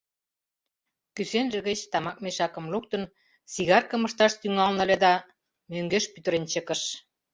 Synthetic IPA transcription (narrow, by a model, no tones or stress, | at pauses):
kysenʒĕɣə̆t͡ɕt̪ɑmɑk̚meʃɑkə̆mluk̚t̪ə̆n | siɣɑrkə̆mə̆ʃt̪ɑʃt̪yŋɑlnə̆led̪ɑ | møŋɡeʃpyt̪ə̆ɾent͡ɕə̆kə̆ʃ